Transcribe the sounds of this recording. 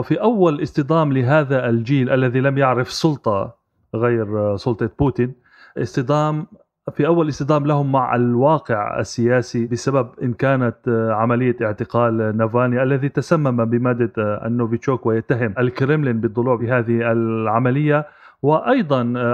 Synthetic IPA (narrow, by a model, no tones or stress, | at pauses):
fiʔawːalʔɪst̪ɨd̪ˤaːmlɪɦaːðaʔld͡ʒiːlʔalːaðilamjaʕɾɪfsˤʊlt̪ˤɑ | ɣaːɾsˤʊlt̪ˤɑbuːt̪ɪn | ʔɪst̪ɨd̪ˤɑːm | fiʔawːalʔɪsˤt̪ɨd̪ˤaːmlahʊmːaʕʔa̰lwɑːqɪʕa̰sːɪjaːsibɪsababʔɪnkaːnaʕamalɪjːaʔɪʕt̪ɪqaːlnavaːniʔalːaðit̪asamːamabɪmaːd̪ːaa̰nːoːvɪt͡ʃːoːkwɪjat̪ːaɦɪmʔalkɾɪmlɪnbɨt̪ˤːʊluːʕfɪɦaːðɪhalʕamalɪjːawɪʔɑjd̪ˤɑn